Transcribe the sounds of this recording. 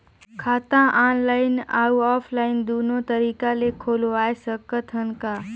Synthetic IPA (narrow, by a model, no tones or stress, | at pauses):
kʰaːt̪ãʔaːnlaːɪna̰ːuaːfʰlaːɪnd̪uːnot̪ɐɾiːkalekʰoːloaːesəkət̪ɦənkaː